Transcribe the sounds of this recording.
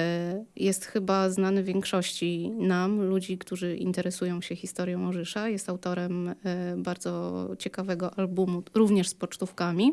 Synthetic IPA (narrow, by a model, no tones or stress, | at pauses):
jɛst̪xɘbaznanɘvʲjɛŋkʂɔɕt͡ɕinamlud͡ʑikt̪uʐɘʔḭnt̪ɛɾɛsujɔ̃w̃ɕɛxʲist̪ɔɾʲjɔ̃w̃ɔʐɘʂajɛst̪awt̪ɔɾɛmbaɾd̪zɔt͡ɕɛkavɛɡɔʔalbumuɾuvɲɛʂspɔt͡ʂt̪ufkamʲi